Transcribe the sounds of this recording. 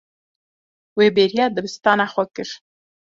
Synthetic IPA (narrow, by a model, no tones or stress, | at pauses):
webeɾjɑd̪əbɪst̪ɑnaxʷakɪʃ